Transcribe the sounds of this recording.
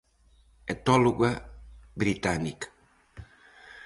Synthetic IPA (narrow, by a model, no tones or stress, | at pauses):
ɛt̪ɔluɡabɾit̪anik